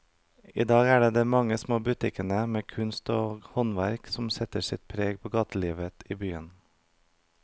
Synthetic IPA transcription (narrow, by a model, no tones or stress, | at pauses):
ḭːd̪ɑːɡæːɖeːd̪eːmɑŋəsmoːbʉt̪ɪkənəmeːkʰʉnst̪oːhɔnʋæɾksɔmsɛt̪əsɪt̪̚pʰɾeːɡpʰoːɡɑːt̪ʰəliːʋət̪iːbyːən